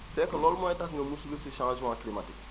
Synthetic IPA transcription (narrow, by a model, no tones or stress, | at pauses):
sɛkɐlɔlmɔ̃ɛtakŋɡɛmusulusiʃãd͡ʒmãklimatik